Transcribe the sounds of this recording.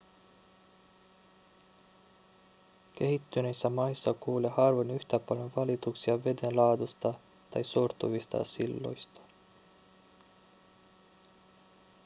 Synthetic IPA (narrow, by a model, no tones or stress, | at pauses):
k̟e̞ɦit̪ːynesːæmɑjsːɑkuːlehɑrʋenyht̪æpɑljo̞ʋɑlit̪uksiɑʋe̞d̪enlɑːd̪ust̪ɑ | t̪ɑjsort̪uʋist̪ɑ̰silːo̞̰jst̪ɑ̥